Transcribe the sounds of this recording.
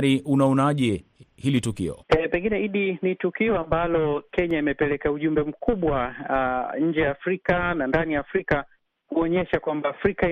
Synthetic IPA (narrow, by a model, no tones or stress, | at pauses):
ɾiʔunaɔnaʄɛhilitukḭɔ̰ɛpɛŋɡinɛiɗinitukiɔambalɔkɛɲaimɛpɛlɛkauʄumbɛm̩kʰuɓwa | ɲ̩d͡ʒɛjaːfɾikanandanijaːfɾika | huɔɲɛʃakwambaːfɾika